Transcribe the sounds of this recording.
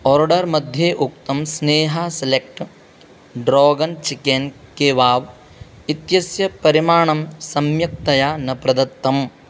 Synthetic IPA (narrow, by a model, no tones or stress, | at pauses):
ɔːɾɖɐɾmɐd̪ʱjeːʔuk̚t̪ɐmsneːɦaselek̚ʈ | ɖɾoːɡɐnt͡ʃikenkeːʋaːʋ | it̪jɐsjɐpɐɾimaːɳɐmsɐmjɐk̚t̪ɐjaːnɐpɾɐd̪ɐt̪ːɐm